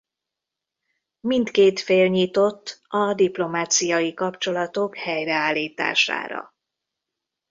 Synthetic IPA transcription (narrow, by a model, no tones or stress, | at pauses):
mint̪keːt̪feːlɲit̪o̞t̪ːɒd̪iplo̞maːt̪sijɒjikɒpt͡ʃo̞lɒt̪o̞khɛjrɛaːlːiːt̪a̰ːʃa̰ːɾɒ̰